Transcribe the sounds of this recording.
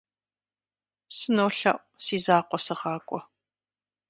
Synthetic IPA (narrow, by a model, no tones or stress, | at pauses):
sɨnoːɬɐ̰ʔʷsiːzaːqʷɔsɨʁɑːkʷʼɔ